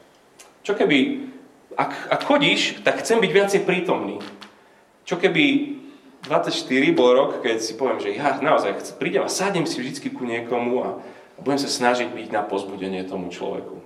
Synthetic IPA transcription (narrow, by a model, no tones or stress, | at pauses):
t͡ʃɔkɛbi | akakxɔɟiːʃt̪akxt͡sɛmbiɟʋɪat͡sɛjpɾiːt̪ɔmnḭː | t͡ʃɔkɛbi | d̪ʋat͡sːacʃt̪iɾibɔlɾɔkkɛcsipɔʋɪɛmʒɛɦanaɔzajxt͡sɛpɾiːɟɛmasaɟɲɛmsivʒd̪it͡skikuɲɪɛkɔmua | buɟɛmsasnaʒiɟbiɟnapɔzbuɟɛɲɪɛt̪ɔmut͡ʃlɔ̰ʋɛ̰ku